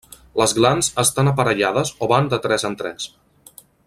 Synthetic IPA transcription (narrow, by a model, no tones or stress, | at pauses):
ləzɣlanzəst̪anəpəɾəʎað̞əzoβand̪ət̪ɾɛzənt̪ɾɛs